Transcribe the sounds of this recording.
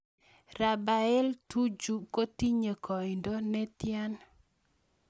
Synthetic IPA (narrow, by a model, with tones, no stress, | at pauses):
ra˨ba˨ɛ˦ltu˦d͡ʒu˨ko˦ti˦ɲə˨kɔ˨ɪ˨ndo˦nɛ˦t̪ja˦n